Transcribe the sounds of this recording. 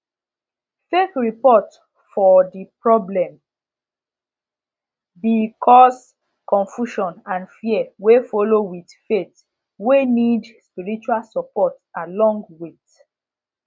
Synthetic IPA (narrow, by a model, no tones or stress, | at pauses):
tekɹipɔt | fɔdipɹɔblɛ̃m | bikʰɔs | kɔ̃nfjuʃɔ̃nãnfiɛwefɔlowitfet | wenidspiɹit͡ʃualsɔpɔtalɔ̃ŋɡwit